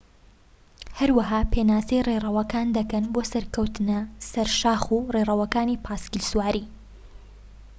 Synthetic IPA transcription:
hɐɾwɐɦaːpʰeːnaːsejrerˤɐwɐkaːnd̪ɐkɐnboːsɐɾkɐwt̪ɨnɐsɐɾʃaːxurerˤɐwɐkaːnipʰaːskilswaːɾi

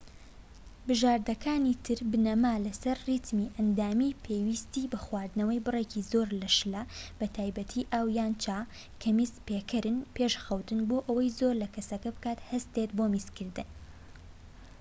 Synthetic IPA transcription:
bɨʒaːɾd̪ɐkʰaːniːt̪ʰɨɾbɨnɐmaːlɐsɐɾrit̪miːʔɐnd̪aːmiːpʰeːwiːst̪iːbɐxwaːɾd̪nɐwɐjbɨreːciːzoːɾlɐʃlɐb̥ɐt̪ʰaːjbɐt̪ʰiːʔaːwjaːnt͡ʃaː | kʰɐmiːspeːkʰɐɾɨnpʰeʃxɐwt̪ɨnboːʔɐwɐjzoːɾlɐkʰɐsɐkɐbɨkaːt̪hɐst̪et̪bomiːskɨɾd̪ɨn

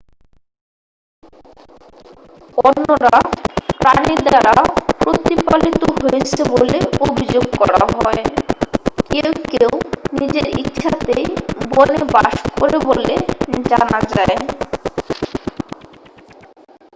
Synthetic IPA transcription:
onːoɾapɾaniɾd̪aɾapɾot̪ipalit̪oɦoet͡ɕʰeboleobʱid͡ʑoɡkɔɾa̰aɦɔe | kewkewnid͡ʑeɾḭtːɕʰat̪ejbonebaʃkoɾeboled͡ʑanad͡ʑae

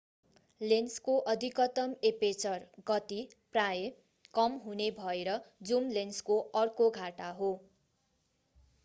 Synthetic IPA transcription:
lenskoʔʌd̪ʱikʌt̪ʌmepet͡sʌrɡʌt̪i | praje | kʌmɦunebʱʌeɾʌd͡zumlenskoʌrkoɡʱaʈaɦo

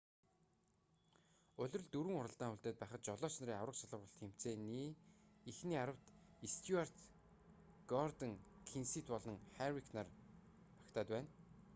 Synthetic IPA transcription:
ɵɮʲɵ̆rɵ̆ɮt̪uɾɘ̆ŋʊɾə̆ɬt̪aːŋuɮt̪eːt̪̚pæːχə̆t̪t͡ɕɔɮɔːʃn̆ɾiːawrə̆qsaɮə̆χɔɬt̪xem̥t͡seːniːixniːaɾə̆w̥t̪ist̪ʰjuar̥t̪ | ɡ̥ɔrt̪ə̆ŋkʰinsiːt̪pɔɮɞ̆ŋχærikʰnar | ḁkt̪ʰaːt̪pæːn

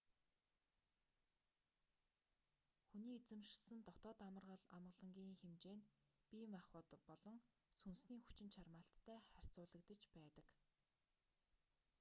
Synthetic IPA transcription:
xuniːet͡sɘ̆mʃsɘ̆nt̪ɔt̪ɔːt̪amə̆rʁə̆ɮamɢə̆ɮə̆ŋɡʲiːŋxemt͡ɕeːnpʲiːmaχɞ̆t̪pɔɮɞ̆ŋ | sunsniːxu̥t͡ɕɪ̆nʃʰarmaːɬt̪ʰːæːχær̥ʲt͡sʊːɮə̆kt̪ə̆t͡ɕpæːt̪ə̆k

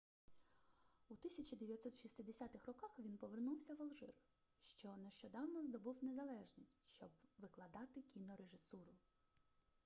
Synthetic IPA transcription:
ut̪ɪsʲɐt͡ʃid̪eʋʲjɐt̪sɔt̪ʃist̪ɪd̪esʲɑt̪ɪxrɔkɑxʋʲinpɔʋernuwsʲɐʋɐlˠʒɪ̰r | ʃt͡ʃɔneʃt͡ʃɔd̪ɑwnɔzd̪ɔbuwne̞zɐlˠɛʒnʲisʲʃt͡ʃɔbʋɪklˠɐd̪ɑt̪ɪkʲinɔɾeʒɪsuɾʊ

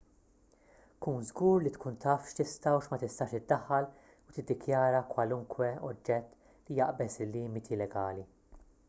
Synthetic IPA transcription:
kuːnzɡuːɾlit̪kʰuːnt̪ʰɐːfʃt̪ɪst̪ɐwʃmɐt̪ɪst̪ɐːʃt̪ɪd̪ːɐħːɐl | ut̪ɪd̪ːɪkʰjɐːɾɐkwɐlʊŋkwɛɔd͡ʒːɛt̪ː | lijɐʔbɛsɪlːiːmɪt̪ʰilɛɡɐːli

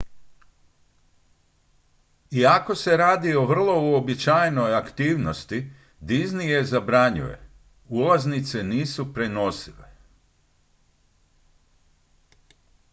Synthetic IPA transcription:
iako̞se̞ɾaːd̪io̞ʋr̩lˠo̞uobit͡ʃajnojakt̪iːʋnost̪i | d̪iznijezabɾaɲṵje̞̰ | ulˠaznit̪se̞niːsupɾe̞no̞sile

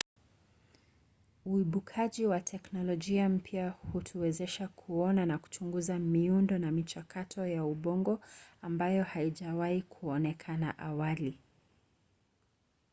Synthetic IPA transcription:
uiɓukʰaʄiwatʰɛknɔlɔʄiam̩pjahutʰuwɛzɛʃakʰuɔnanaku̥t͡ʃuŋɡuzamiundɔnamit͡ʃakʰatʰɔjauɓɔŋɡɔambajɔhaiʄawaikʰuɔnɛkʰana̰ʔawali

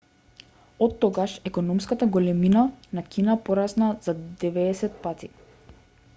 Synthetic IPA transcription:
ɔt̪ːɔɡaʃɛkɔnɔmskat̪aɡɔlɛminanakʲinapɔɾasnaz̥ad̪ɛvɛːsɛt̪̚pat̪i

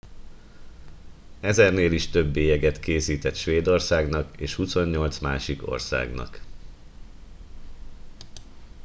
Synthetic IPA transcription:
ɛzɛrneːliʃt̪øbːeːjɛɡɛt̪keːsiːt̪ɛt̪ʃʋeːd̪o̞rsaːɡnɒkeːʃhuso̞ɲːo̞lt̪smaːʃiko̞̰rsa̰ːɡnɒ̰k

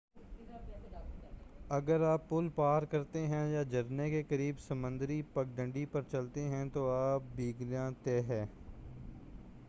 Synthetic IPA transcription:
əɡəɾaːpːʊlpaːɾkəɾt̪eɦɛ̃jaːd͡ʒəɾneːkekəɾiːbsəmə̃nd̪əɾiːpək̚ɖə̃ɳɖiːpəɾt͡ʃəlt̪eɦɛ̃ːt̪oːaːp̚biːɡɾjãːt̪eːɦɛː

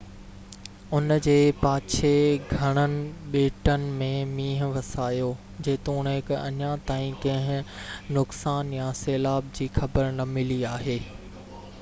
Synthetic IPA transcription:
ʊnd͡ʑeːpaːt͡ɕʰeɡʱɐɽ̃ənɪ̆ɓeːʈənɪ̆mẽmĩːɦ̆ʋɐsaːjoː | d͡ʑeːt̪oʊnɦɪkɐ̰ɲat̪aːĩkɐ̃ɦɪ̃nʊksaːnjaseːlaːb̚d͡ʑiːxɐbəɾnɐmɪliaːɦeː

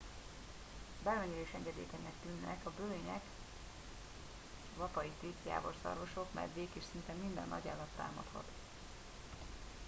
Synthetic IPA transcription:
bɛlmɛɲiɾeːʃɛŋɡɛd̪ḛːt̪ɛnɛkt̪ynːɛkɒbøːeɲɛk | vɒpɒit̪eːt̪ja̰ːvo̞̰rsɒ̰rvo̞ʃo̞kmɛ̰jd̪ʋeːkeːʃsint̪ɛmːind̪ɛ̰nːɒ̰ɟa̰ːlɒt̪ːa̰ːmɒt̪hɒ̰t̪

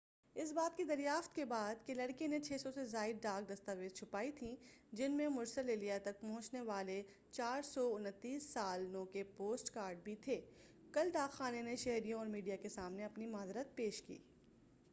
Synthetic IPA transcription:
ɪs̬baːt̪̚kid̪ɐɾjaːft̪kebaːd̪kelɐɽkenet͡ʃʰeːsɔsezaːɪd̪̚ɖaːɡ̚d̪ɐst̪aʋeːd̪t͡ʃʰʊpaːit̪ʰĩd͡ʒɪnmẽmʊɾsəleːlijat̪ɐk̚pɔɦʊ̃t͡ʃneʋaːle | t͡ʃaːɾsɔʊnət̪ːiːsːaːlnõkepoːsʈkaːɾɖ̚bʱit̪ʰeː | kɐlɖaːɡaːneneʃɛɦɾijõɔːɾmiːɖijakesaːmneɐpnimaːzɾət̪̚peːʃkḭː

